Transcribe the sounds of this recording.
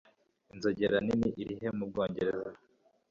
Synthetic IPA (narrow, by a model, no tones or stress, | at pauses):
inzoɟeɾaniniʔiɾiɦe̞mub̚ɡoːɲɟe̞ɾeza